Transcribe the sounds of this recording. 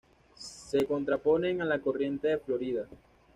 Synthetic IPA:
se̞ko̞nt̪ɾapo̞ne̞ŋalako̞rje̞nt̪eðeflo̞ɾiða

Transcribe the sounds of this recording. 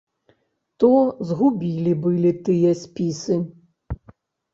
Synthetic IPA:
t̪ɔzɣubʲilʲibɨlʲit̪ɨjɐsʲpʲisɨ

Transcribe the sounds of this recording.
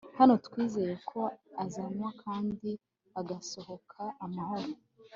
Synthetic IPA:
hano̞tkwiːze̞jekʰo̞azamwakʰaːndi | aɡaso̞ho̞kʰaːmaho̞ɾo

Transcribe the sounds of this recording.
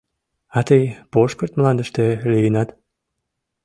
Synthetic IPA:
ɑt̪əjpoʃkərt̪mlɑnd̪əʃt̪elyjənɑt̪

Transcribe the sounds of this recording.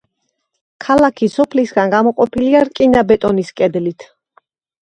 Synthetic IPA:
kʰalakʰisɔpʰlisɡanɡamɔqʼɔpʰiliaɾkʼinabɛt̪ʼɔniskʼɛd̪lit̪ʰ

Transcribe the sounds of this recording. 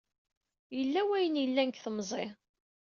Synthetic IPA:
jəlːæwæjənjəlːænkθəmzˤɪ

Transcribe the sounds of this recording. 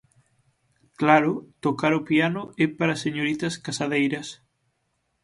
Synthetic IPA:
klaɾʊt̪okaɾʊpianʊɛpaɾɐseɲoɾit̪ɐskasaðejɾɐs

